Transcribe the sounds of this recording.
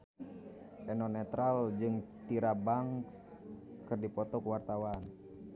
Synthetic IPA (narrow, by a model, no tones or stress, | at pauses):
ʔɛnɔnɛt̪ɾald͡ʒɨŋt̪iɾabaŋkskɨrdipɔt̪ɔkuwart̪awan